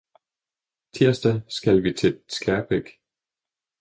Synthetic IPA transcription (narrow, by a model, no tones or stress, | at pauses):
t͡sʰiɐ̰sd̥æsɡ̥ælʋit͡sʰe̝sɡ̥æb̥ʰeɡ̥